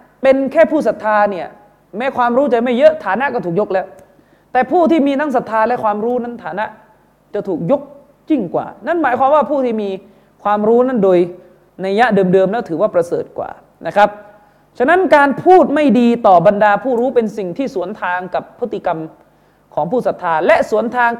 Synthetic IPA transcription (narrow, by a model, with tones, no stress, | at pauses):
pe˧nkʰɛː˥˩pʰuː˥˩sa˨˩t̪ʰːaː˧ni˥˩ɐ | mɛː˦˥kʰwaː˧mɾuː˦˥t͡ɕa˧˩ma˥˩jːɤ˦˥ʔt̪ʰaː˩˦na˦˥ʔkɔː˥˩t̪ʰuː˨˩k̚jo˦˥k̚lɛ˦˥w | t̪ɛː˨˩pʰuː˥˩t̪ʰiː˥˩miː˧t̪ʰa˦˥ŋs̬a˨˩t̪ʰːaː˧lɛ˦˥kʰwaː˧mɾuː˦˥na˦˥nt̪ʰaː˩˦na˦˥ʔ | t͡ɕa˨˩t̪ʰuː˨˩k̚jo˦˥k̚ | ji˥˩ŋkwa̰ː˨˩na˥˩˨nmaː˩˦jkʰwaː˧mwaː˥˩pʰuː˥˩t̪ʰiː˥˩miː˧ | kʰwaː˧mɾuː˦˥na˥˩ndoː˧j | na˧ja˦˥ʔdɤː˧mdɤː˧mlɛː˦˥wt̪ʰɯː˩˦waː˥˩pɾa˧sɤ̰ː˨˩t̪̚kwa̰ː˨˩ | nʔa˦˥kʰɾa˦˥p̚ | t͡ɕʰa˧˥na˦˥nkaː˧npʰuː˥˩t̪̚ma˥˩jdiː˧t̪ɔː˨˩ba˧ndaː˧pʰuː˥˩ɾuː˦˥pe˧nsi˨˩ŋt̪ʰiː˥˩su˩˦ənt̪ʰaː˧ŋka˨˩pʰːɯ˦˥t̪ːi˧˨ka˧m | kʰɔː˩˦ŋpʰuː˥˩sa˨˩t̪ʰːaː˧lɛ˦˥ʔsu˩˦ənt̪ʰaː˧ŋ